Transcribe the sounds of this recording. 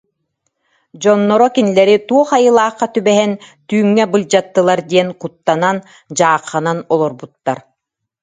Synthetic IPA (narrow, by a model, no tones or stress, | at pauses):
d͡ʑɔnːɔɾɔkinilɛɾit̪uɔχajɯlˠaːχːat̪ybɛɦɛnt̪yːŋːɛbɯld͡ʑat̪ːɯlˠaɾd̪iɛnkut̪ːanan | d͡ʑaːqːananɔlˠɔɾbut̪ːaɾ